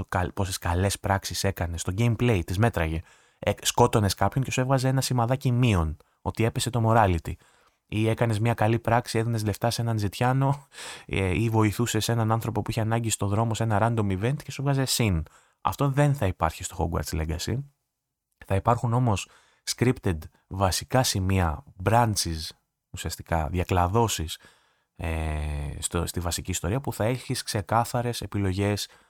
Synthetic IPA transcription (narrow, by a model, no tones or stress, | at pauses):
kɐpo̞seskɐle̞spɾɐksise̞kɐne̞st̪o̞ɟejmple̞jt̪izme̞t̪ɾɐʝe̞ | sko̞t̪o̞ne̞skɐpço̞ɲce̞suevɣɐze̞e̞nɐsimɐðɐcimio̞n | o̞t̪ie̞pe̞se̞t̪o̞mo̞ɾɐlit̪i | ie̞kɐne̞zmɲɐkɐlipɾɐksieðine̞zle̞ft̪ɐse̞nɐnzit̪çɐno̞eivo̞iθuse̞se̞nɐnɐnθɾo̞po̞puiçeɐnɐɲɟist̪o̞ðɾo̞mo̞se̞nɐɾɐnd̪o̞mive̞nt̪i̥ce̞suevɣɐze̞sin | ɐ̰ft̪o̞ðe̞nθɐipɐɾçist̪o̞xo̰ɡwɐ̰ɾt͡sleŋɡɐsḭ | θɐipɐɾxuno̞mo̞s | skɾipt̪ed̪ | vɐsikɐsimiɐbɾɐnt͡sis | usiɐst̪ikɐ̰ðʝɐklɐðo̞sis | est̪ost̪ivɐsiciːst̪o̞ɾiɐpuθɐe̞çiskse̞kɐθɐɾe̞se̞pilo̞ʝe̞s